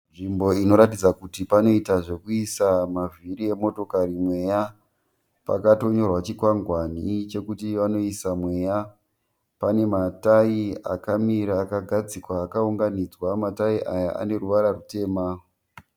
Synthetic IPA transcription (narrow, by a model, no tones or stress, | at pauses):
nʐimbo̞ino̞ɾatid͡zakutipano̞itaʐe̞kuisamaviɾie̞mo̞to̞kaɾimwe̞ja | pa̰kato̞ɲo̞rwat͡ʃikwaŋɡwanit͡ʃe̞kutiʋano̞isamwe̞ja | pane̞mataia̰kamiɾaːkaɡʱad͡zikwaːkauŋɡanid͡zwamataiʔajaʔa̰ne̞ruʋaɾarute̞ːma